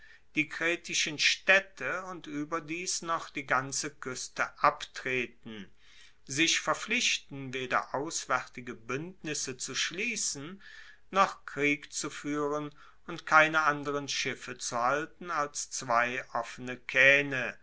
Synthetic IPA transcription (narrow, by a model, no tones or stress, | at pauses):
d̥iːɡʁɛːtɪʃənʃtɛtʰəʊntʔyːbɐdiːsnɔχd̥iːɡant͡səkʰʏstəʔaptʁ̥eːtn̩ | zɪçfɛɐflɪʃtn̩veːdɐ̰ʔaʊsv̥ɛʁtɪɡəbʏntnɪsət͡suʃliːsn̩ | nɔχkʁ̥iːkt͡sufyːʁən | ʊntkʰaɪnəʔandəʁənʃɪfət͡suhaltn̩alst͡sv̥aɪʔɔfənəkʰɛːnə